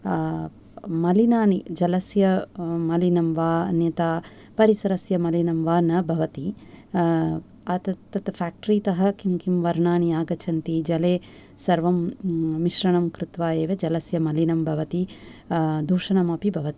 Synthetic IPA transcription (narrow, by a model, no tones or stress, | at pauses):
mɐlinaːnid͡ʒɐlɐsjɐmɐlinɐmʋaːnjɐt̪aː | pɐɾisɐɾɐsjɐmɐlinɐmʋaːnɐbʱɐʋɐt̪i | ɐt̪ɐt̪ːɐt̪pʰaːk̚ʈɐɾiːt̪ɐɦɐkimkimʋɐɾɳaːniaːɡɐt͡ʃʰɐnt̪id͡ʒɐleː | sɐɾʋɐmːiʃɾɐɳɐmkɾut̪ʋaːeːʋɐd͡ʒɐlɐsjɐmɐlinɐmbʱɐʋɐt̪i | d̪ʱuːʂɐɳɐmaːpibʱɐʋɐt̪i̥